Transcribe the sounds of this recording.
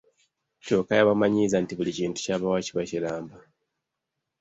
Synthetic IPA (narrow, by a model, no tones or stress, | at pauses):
to̞ːkajaβamaɲizantiβuliciːntu̥caβawaciβacilaːmba